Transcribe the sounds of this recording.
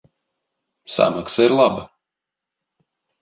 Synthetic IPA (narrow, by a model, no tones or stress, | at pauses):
sa̰maksaiɾlˠaba